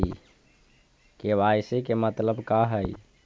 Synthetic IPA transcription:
keβajsekemət̪ləbkaɦəj

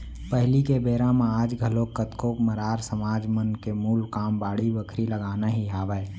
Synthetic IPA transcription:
pəɦlikebeːɾãmaaːd͡ʒɡʱəlokət̪koːpməɾaːɾsəmaːd͡ʒmənkemuːlkaːmbaːɽibəkʰɾiləɡaːnaɦiɦaːʋɛ

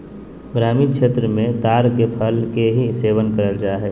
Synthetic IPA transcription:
ɡɾaːmikʃʰeːt̪ɾəmẽt̪aːɾkepʰəlkeɦiseːʋənkəɾəld͡ʒaːɦɛː

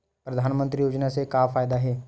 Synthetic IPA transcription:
pɾɐd̪ʱaːnmə̃nt̪ɾijoːd͡ʒnasekaːfaːjd̪aɦɛː

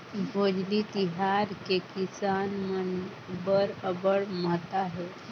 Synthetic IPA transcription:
bʱod͡ʑlit̪iɦaɾkekisanmən | bəɾəbəɭmət̪aɦe

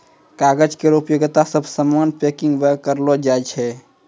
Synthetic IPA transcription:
kaɡəd͡ʒkeɾupjoɡt̪asəbʱsəmanpekiŋɡbəkːəɾlɔd͡ʒajt͡ʃʰɛ

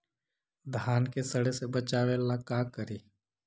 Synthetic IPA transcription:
d̪ʱaːnkesəɽesebət͡ʃaːʋelakaːkəɾiː

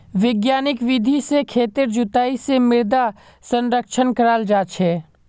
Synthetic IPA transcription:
ʋɪɡjaːnɪkʋɪd̪ʱisekʰeːt̪ɪɾd͡ʒʊt̪aːisemɪɾd̪a | sə̃nɾəkʃʰənkəɾaːld͡ʒaːt͡ʃʰɛː

